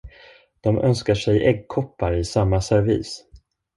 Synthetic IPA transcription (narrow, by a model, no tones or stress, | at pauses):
d̪̥ɔmʔœ̰nskaʂɛjʔɛɡ̚kʰɔpːaɾɪsamːasɛɾvḭːs